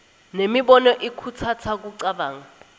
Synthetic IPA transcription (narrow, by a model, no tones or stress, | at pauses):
nemiɓɔnɔʔikʰutʰatʰak̬uǀaɓaːŋa